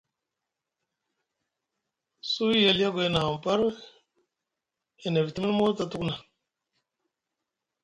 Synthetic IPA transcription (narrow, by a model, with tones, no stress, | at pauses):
su˦je˨lja˦ɡo˨e˦na˨m˨pa˦ɾ | e˨na˨vi˨ti˦mi˦n˦mo˦ɾta˨tu˦kna˨